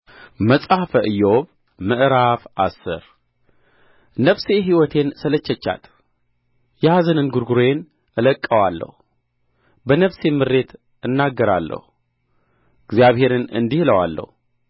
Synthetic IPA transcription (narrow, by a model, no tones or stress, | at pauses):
məsʼafəʔɨjːoβ | mɨʔɾafʔasːɨ̰ɾ | nəfse̞ɦiwɔt̪ʰe̞nsələt͡ʃːɛt͡ʃːa̰t̪ | jɛazənɨnɡuɾɡuɾojen | ʔɨləkʼːəwalːə̰hu | bənəfse̞mɨɾːe̞t̪ʰ | ɨnːaɡːəɾalːə̰hu | ɪɡzjaβhe̞ɾɨnɨ̰nd̪ihləwa̰lːə̰hu